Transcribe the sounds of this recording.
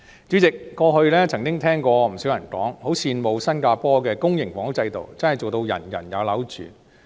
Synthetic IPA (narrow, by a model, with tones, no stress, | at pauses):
t͡ʃy˨˥t͡sɪ˨kːɔː˧hɵ˧ɥlɛː˥t͡sʰɐ˨˩ŋkɪ˥ŋt̪ʰɛː˥ŋkɔː˧m̩˨˩sy˨˥wjɐ˨˩nkɔ̰ː˨˥ŋho˨˥wsʰiː˧nmo˨˧wsɐ˥nkaː˧pɔː˥kɛː˧kʊ˥ŋjɪ˨˩ŋfɔː˨˥ŋʊ˨˥t͡sɐ˧jt̪o̰˨wt͡sɐ˥nhɐ˨˩jt͡so˨˩wt̪o˧wjɐ̰˨˩njɐ̰˨˩njɐ˨˧wlɐ˨˥wt͡ʃy̰ː˨˩